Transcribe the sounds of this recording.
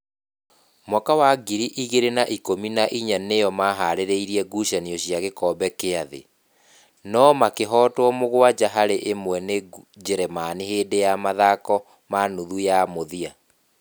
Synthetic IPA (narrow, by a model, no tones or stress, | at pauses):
mwakawaɡiɾiʔiɣeɾenaʔikominaʔiɲanejɔmaɦaɾeɾeiɾiɛɡuʃaniɔɕjaɣekɔːbɛkeaðḛ | nɔmakeɦɔːtwɔmoɣwad͡ʑaɦaɾeʔemwɛned͡ʒɛɾɛmaniɦeːdejamaðakɔ | manuðujamoðia